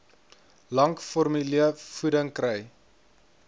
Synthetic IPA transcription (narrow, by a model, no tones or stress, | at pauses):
lɐŋkfɔrmyliəfudəŋkrɛj